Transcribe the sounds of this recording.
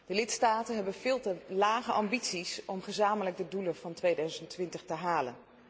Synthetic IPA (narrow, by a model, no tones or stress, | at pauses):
d̥əlɪtstaːtənɦɛbənvɪːlˠtəlaːχəʔɑmbitsisɔmχəzaːmələɡ̚dəduləvɑntʋejdœɥzəntʋɪntəχtəɦaːlə̰n